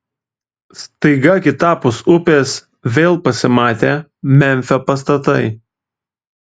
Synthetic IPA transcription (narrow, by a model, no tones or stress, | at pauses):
st̪ɐɪɡɐɐkʲɪt̪ɑːpʊsʊpʲeːs | ʋʲeːlˠpɐsʲɪmɑːt̪ʲeːmʲɛmʲfʲoːpɐst̪ɐt̪ɐɪ